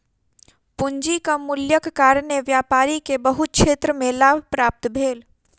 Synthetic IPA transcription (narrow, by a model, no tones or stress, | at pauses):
pʊɲd͡ʒikamʊljəkːaːɾneʋjaːpaːɾikebəɦʊt̪̚kʃʰeːt̪ɾəmẽlaːbʱpɾaːp̚t̪bʱeːl